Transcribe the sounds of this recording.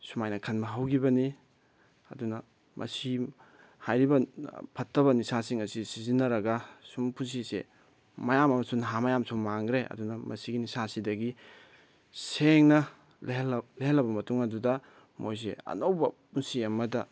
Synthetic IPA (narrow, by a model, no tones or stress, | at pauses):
sumajnɐkʰɐnbɐɦawɡibɐni | ɐ̰dunɐ | mʔɐ̰si | hajɾibɐpʰɐtʰːɐβɐnisasiŋɐsisizinɐɾɐɡɐsumpʰuns̬isḛ | mɐjamɐmɐsunɦamɐjamsummaŋɡɾeʔɐ̰dunɐmɐ̰siɡinisasidɐɡi | seŋnɐ | llleɦɐlɐbɐmɐtuŋɐdudɐ | mo̰js̬eɐ̰nowbɐpunsiɐmɐdɐ